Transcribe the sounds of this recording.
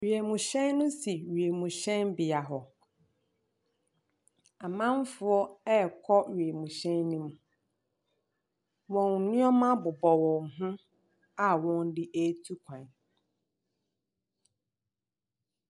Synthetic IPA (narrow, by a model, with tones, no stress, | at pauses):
ɥi˨e˨mũ˨ɕɛ̃˦nːʊ̃˦si˨ɥi˨e˨mũ˨ɕɛ̃˦nbɪ˨a˨ɦɔ˨ | a˨mã˦m˦fʊ˨˦ɔ˦ɛ˦˨kʰɔ˦ɥi˨e˨mũ˨ɕɛ̃˦nːĩ˦m˦ | wɔ̃˨n˨nɪ̃˦ɔ˦mã˦bʊ˨bɔ˨wɔ̃˨ŋ˨ɦʊ̃˦ | a˨wɔ̃˦ndɪ˦ʔe˦tʰu˦kʷʰã˨n